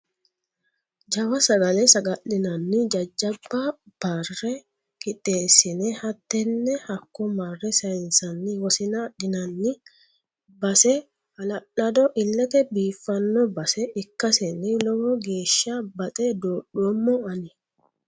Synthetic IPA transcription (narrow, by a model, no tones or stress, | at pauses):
d͡ʒɐwɐsɐɡɐlɛsɐɡɐʔɪnɐnːɪd͡ʒɐd͡ʒːɐbːa | b̥ɐrːɛ | kʼɪt̪ʼːeːsɪnɛhɐt̪ːɛnːɛhɐkːɔmɐrːɛsɐɪnsɐnːɪwɔsɪnaᶑɪnɐnːɪ | bɐsɛ | hɐlɐʔɐd̪ɔʔɪlːɛt̪ɛbiːfːɐnːɔbɐsɛɪkːɐsɛnɪlɔɡɔɡe̞ːʃabɐt̪ʼɛd̪oːɗʊɔmːoɐnɪ